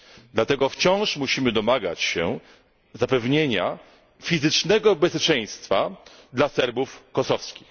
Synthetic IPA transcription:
d̪lat̪ɛɡɔft͡ɕɔ̃w̃ʂmuɕimɘd̪ɔmaɡa̰t͡ɕɕɛ̰ | zapɛvɲeɲa̰ | fʲizɘt͡ʂnɛɡɔbɛspʲet͡ʂɛ̃j̃st̪fa | d̪lasɛɾbufkɔsɔfskʲix

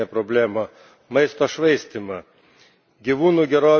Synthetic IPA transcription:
ɛpɾobʲlʲæːmoː | mɐɪst̪oːʃʋɐɪsʲt̪ʲimɐ | ɡʲiʋuːnuːɡʲɛɾoː

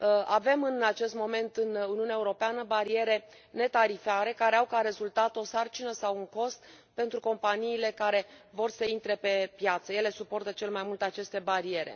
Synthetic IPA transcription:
ave̞mɨnat͡ʃe̞st̪mo̞me̞nt̪ɨnuniuuneaeuɾo̞peanəbaɾie̞ɾe̞ | ne̞t̪aɾifaɾe̞kaɾe̞awkaɾe̞zult̪at̪o̞sart͡ʃinəsawuŋko̞st̪ | pe̞nt̪ɾuko̞mpaniːle̞kaɾe̞vo̞rsəint̪ɾe̞pe̞pjat̪səje̞le̞supo̞rt̪ət͡ʃe̞lemajmult̪eat͡ʃe̞st̪e̞baɾie̞ɾḛ

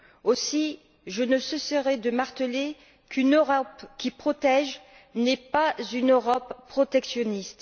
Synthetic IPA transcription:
osi | ʒənəsəsəʁɛd̪əmaʁt̪əle | kynøʁɔpkʲipχɔt̪ɛʒ | nɛpazynøʁɔpːχɔt̪ɛksjɔnist̪

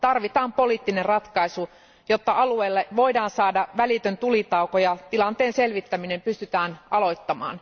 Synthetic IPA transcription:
t̪ɑrʋit̪ɑːmpoliːt̪ːinerrɑt̪kɑisu | jot̪ːɑʔɑlueːlːeʋoidɑːnsɑːdɑʋælit̪ønt̪ulit̪ɑukojɑt̪ilɑnt̪eːnselʋit̪ːæminempyst̪yt̪æːnɑlo̞it̪ːɑmɑ̰ːn

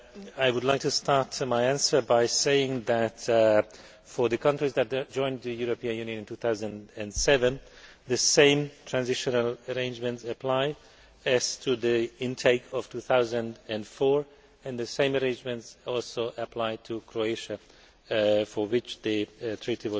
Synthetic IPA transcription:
aɪwʊdˡlaɪk̚tʰɨstʰɑɹtmaɪæ̃nsə˞baɪseɪɪ̃ŋðæt | fə˞ðɨkʰʌ̃ntɹizðɨt̚d̥d͡ʒ̥ɔ̃ɪ̃nðɨjuɹəpĩɨ̃njʉ̃njɨ̃ñntʰuθaʊzə̃ndɨ̃nsɛvə̃n | ðɨsẽɪ̃mtʰɹ̥æ̃nzɪʃɨnəlˠəɹẽɪ̃nd͡ʒmɨ̃ntsɨpʰl̥aɪ | ɨz̥tʰɨðiɪ̃ntʰeɪkʰʌv̥tʰuθaʊzə̃ndɨ̃nfɔɹ | ɨ̃nðɨsẽɪ̃məɹẽɪ̃nd͡ʒmɨ̃ntsɔlˠsoʊʔəpʰl̥aɪtʰɨkʰɹoeɪʃɨ | fə˞wɪt͡ʃðɨtʰɹ̥itiwʌ

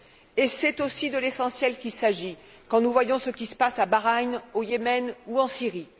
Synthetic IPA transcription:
esɛt̪osid̪əlesɑ̃sjɛlkʲilsaʒi | kɑ̃nuvwajɔ̃səkʲisə̥pasabaʁaɲojemɛnuɑ̃siʁi

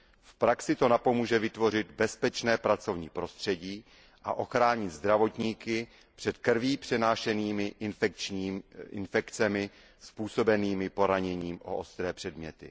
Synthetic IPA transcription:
fpɾaksɪt̪o̞napo̞muːʒɛvɪt̪vo̞r̝ɪd̪bɛspɛt͡ʃnɛːpɾat͡so̞vɲḭːpɾo̞st̪r̝̥ɛɟiː | ʔa̰ʔo̞xɾaːɲɪd̪zd̪ɾavo̞t̪ɲiːkɪ | pr̥ɛt̪kr̩viːpr̝̥ɛnaːʃɛniːmɪʔɪnft͡ʃːɪ̰nfɛkt͡sɛmɪ | spuːso̞bɛniːmɪpo̞ɾaɲɛɲiːmʔo̰ʔost̪ɾɛːpr̝̥ɛdmɲɛt̪ɪ̰

